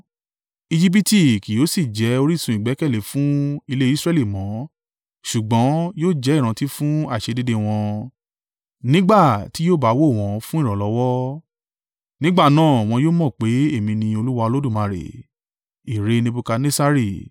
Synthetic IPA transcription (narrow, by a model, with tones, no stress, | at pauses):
i˧d͡ʒi˦p̬i˦ti˦˨ki˨jo˨˦si˦˨d͡ʒɛ˨˦o˧ɾi˦˨sũ˧i˨ɡ͡bɛ˨˦kɛ˦˨le˨˦fũ˦i˧le˦i˦sɾɛ˦li˦˨mɔ̃˨˦ | ʃu˨ɡ͡bɔ̃˨˦joː˦d͡ʒɛ˨˦˨ɾ̃ã˧ti˦fũ˦a˦˨ʃe˧di˦de˦w̃ɔ̃˧ | nĩ˦ɡ͡ba˦˨ti˨˦joː˦˨ba˨˦wo˦˨w̃ɔ̃˧fũ˦i˦˨ɾɔ̃˨lɔ˨˦wɔ˦ | nĩ˦ɡ͡ba˦˨nãː˦˨w̃ɔ̃˧joː˦mɔ̃˦˨k͡pe˨˦e˦˨mĩ˧nĩ˧o˧lu˦wa˧o˧lo˦du˦˨mã˨˧˨ɾḛ˨ | i˨ɾe˨˧nĩ˧bu˧ka˧nẽ˦sa˦ɾi˦˨